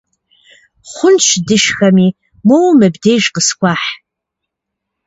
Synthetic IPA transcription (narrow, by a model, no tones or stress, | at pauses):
χʷʊnt͡ʃʷʰdɨʃχami | mowmɨbdejʒqəskʷaħ